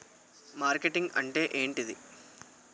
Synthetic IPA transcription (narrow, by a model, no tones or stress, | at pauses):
maːrkeʈːiŋɡɐɳɖeʔeːɳʈiðɨ